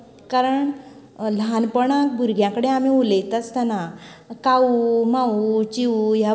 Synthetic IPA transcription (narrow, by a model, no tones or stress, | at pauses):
kaɾəɳ | lɦanpəɳak̚bʱuɾɡʱjãkəɽẽamiulet̪ət͡st̪ana | kaumãut͡ɕiuja